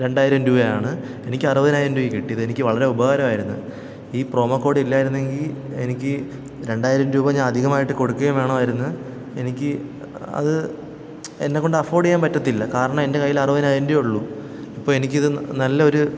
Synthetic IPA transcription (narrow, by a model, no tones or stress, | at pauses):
ɾe̞ɳɖaːjiɾɐmɾuːbɐja̰ːɳɨ | e̞nikʲːɨɐrɨbɐðinaːjiɾɐmduːjikiʈːijɐðɨenikʲːɨʋɐɭɐɾe̞ubɐɣaːɾɐmaːjiɾunːu | iːpro̞ːmɐkːo̞ːɽilːaːjiɾunːe̞ŋɡile̞̰nikʲːɨ | ɾe̞ɳɖaːjiɾɐmɾuːbɐɲaːnɐd̪ʱiɣɐmaːjiʈːɨko̞ɽukːɐɣɐmeːɳɐʋɐjiɾunːɐ | e̞̰nikʲːɨ | ɐ̰ðɨ | enːekːo̞ɳɖɐfo̞ːɽijaːmpɐtːɐt̪ːilːɐkaːɾɐɳɐmende̞kɐjːilɐrɨʋɐðinaːjɐndujuɭːu | ipːoɭe̞nikʲːiðɨnɐlːɐo̞ɾu